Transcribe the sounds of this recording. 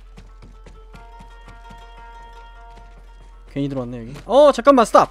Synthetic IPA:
keɲidɯɾowanːejoɡiʌt͡ɕak͈amːas͈ɯtʰap̚

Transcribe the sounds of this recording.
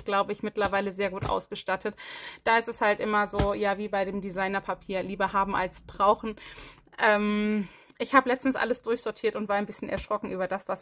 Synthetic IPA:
ɡ̥laʊbəɪçmɪtlɐvaɪləzeːɐɡuːtʔa̰ʊsɡ̥əʃtatʰətd̥aːɪstɛshaltʔɪmɐzoːjaːviːbaɪdeːmdizaɪnɐpʰapʰiːɐliːbɐhaːbm̩ʔa̰lsb̥ʁaʊxn̩ | ʔɛːmʔɪçhaːbəlɛt͡stn̩sʔa̰ləsd̥ʊɐçz̥ɔɐtʰiːɐtʊntv̥aːɐaɪnbɪsçənʔɛ̰ɐʃʁ̥ɔkŋ̩ʔyːbɐdasv̥as

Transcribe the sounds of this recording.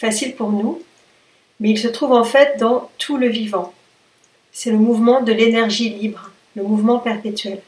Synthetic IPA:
fasilpuʁnu | mɛilsət̪χuvɑ̃fɛt̪̚d̪ɑ̃t̪ʰuləvivɑ̃ | sɛləmuvmɑ̃d̪əlenɛʁʒilibʁ | ləmuvmɑ̃pɛʁpet̪ɥɛl

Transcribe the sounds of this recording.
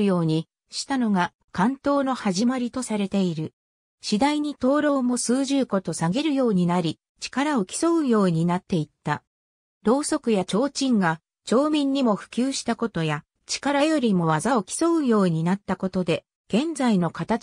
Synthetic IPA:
jo̞ːɲ̟i | ɕi̥t̪ano̞ɡa | kãnt̪o̞ːno̞haʑimaɾʲit̪o̞saɾe̞t̪e̞iɾɯ̟ | ɕid̪aiɲ̟it̪o̞ːɾo̞ːmo̞sɨːʑɨːko̞t̪o̞saɡe̞ɾɯ̟jo̞ːɲ̟inaɾʲi | t͡ɕi̥kaɾao̞kʲi̥so̞ɯ̟jo̞ːɲ̟inat̪ːe̞it̪ːa | ɾo̞ːso̞kɯ̟jat͡ɕo̞ːt͡ɕĩŋɡa | t͡ɕo̞ːmʲĩɲ̟ːimo̞ɸɯ̟̥kʲɨːɕi̥t̪ako̞t̪o̞ja | t͡ɕi̥kaɾajo̞ɾʲimo̞βazao̞kʲi̥so̞ɯ̟jo̞ːɲ̟inat̪ːako̞t̪o̞d̪e̞ | ɡ̥ẽ̞nd͡zaino̞kat̪a

